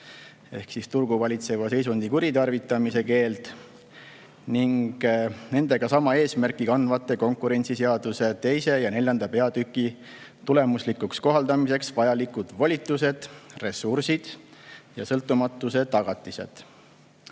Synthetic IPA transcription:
e̞hksist̪urɡ̥uvɑlʲit̪se̞vɑse̞js̬und̪ikuɾit̪ɑrvit̪ːˑɑmise̞ke̞ːlt̪ | niŋɡ̥ne̞nd̪e̞ɡ̥ɑsɑmɑe̞ːsmærkːˑikɑnvɑt̪ːˑe̞ko̞ŋkˑuɾe̞nʲt̪siseɑd̪use̞t̪e̞jse̞jɑne̞lʲjɑnd̪ɑpe̞ɑd̪̥ykːˑi | t̪ule̞muslikːuksko̞ɦɑld̪ɑmise̞ksvɑjɑlikud̪̥vɑlʲit̪ːˑuse̞d̪̥re̞sursid̪̥jɑsɤlt̪ːˑumɑt̪ːˑuse̞t̪ɑɡ̥ɑt̪ːˑise̞̰d̪̥

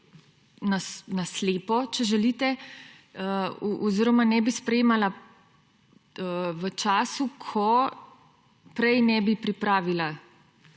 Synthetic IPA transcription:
nasnasleːpɔt͡ʃɛʒɛliːt̪ɛ | əʔɔziːɾɔmanɛbispɾɛjeːmala | ʋət͡ʃaːsukʰɔ | pɾɛjnɛbipɾipɾaːʋila

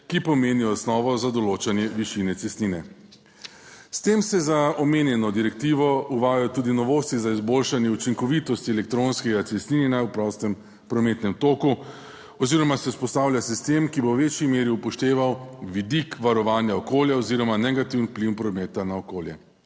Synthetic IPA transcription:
kipɔmeːniɔsnɔːʋɔzad̪ɔloːt͡ʃanjɛʋiʃinɛt̪sɛst̪niːnɛ | st̪emsɛzaɔmenjɛnɔd̪iɾɛk̚t̪iːʋɔuʋaːjat̪uːd̪inɔʋoːst̪izaizboːlʃanjɛut͡ʃiŋkɔʋit̪ɔst̪iɛlɛk̚t̪ɾonskɛɡat̪sɛst̪niːninawpɾɔst̪ɛm | pɾɔmeːt̪nɛmt̪oːku | ɔziːɾɔmasɛuspɔst̪aːwlʲjasist̪eːmkibowʋeːt͡ʃjimeːɾiupɔʃt̪eːʋawʋid̪ikʋaɾɔʋaːnjaɔkoːljaɔziːɾɔmanɛɡat̪iːwnpliwnpɾɔmeːt̪anaɔkoːljɛ

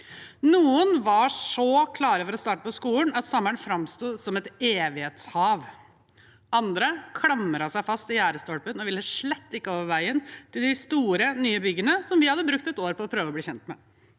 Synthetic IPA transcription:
nuːənʋɑʂɔkʰlɑːɾəfɔɾɔst̪ɑːʈəpɔskuːlnɑt̪sɑmːəɳfɾɑmst̪uːsɔmɛt̪eːʋɪheːt̪shɑːʋ | ɑnd̪ɾəkʰɽɑmːəɾɑsæɪfɑst̪ɪjæːɾəst̪ɔɽpənɔʋɪlːəʂɭɛt̪ːɪkːəoːʋəɾʋæɪənt̪ʰɪld̪ɪst̪uːɾənyːəbʏɡənəsɔmʋɪhɑd̪ːəbɾʉk̚t̪ɛt̪oːɾpɔːpʰɾøːʋəɔbliːçɛnt̪mɛ̰

